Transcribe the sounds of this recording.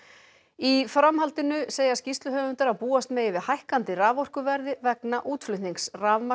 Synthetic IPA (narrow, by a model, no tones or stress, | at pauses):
ifɾamhalt̪ɪnʏseːjascist̪lʏɦœːvʏnt̪aɾawpuːast̪meːjɪvɪðhajhkant̪ɪraːvɔr̥kʏvɛɾðɪvɛknaʔuːt̪flʏt̪iŋksraːvma